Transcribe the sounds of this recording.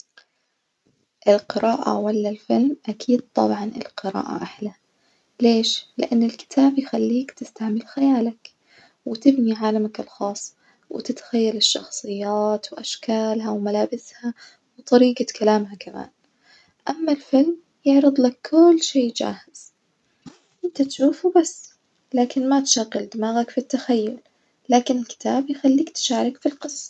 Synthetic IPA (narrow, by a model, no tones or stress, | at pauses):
ʔɪlqɨɾaːʔa̰walːalfɪlmʔakʰiːd̪̥̚t̪ˤɑ̰bʕɑnɪ̰lqɨɾa̰ːʔa̰ʔaħla | leːʃlɪ̰ʔanːɪlkɪ̥t̪ʰaːbjxalːiːkt̪ɪst̪aʕmɪlxajaːlak | wɪt̪ɪbniʕaːlamakɪlxɑːsˤ | wɪ̰t̪ɪt̪xajːalɪʃːɑ̰xsˤɨjːaːt̪wʔaʃkaːlɦawmalaːbɪsha | wt̪ˤɑɾiːɡakʰalaːmhakama̰ːn | ʔamːalfɪlm | jɪʕɾɨd̪ˤlakːʰʊlːʃeːd͡ʒa̰ːhɪz̥ | ʔɪnt̪at̪ʃuːfubasː | laːkɪnmat̪ʃaɣːɪld̪ɪmaːɣakfit̪ːaxajːʊl | laːkɪnɪlkɪ̥t̪ʰaːbjxalːiːkt̪ʃaːɾˤɪkfilqɨsˤːɑ̥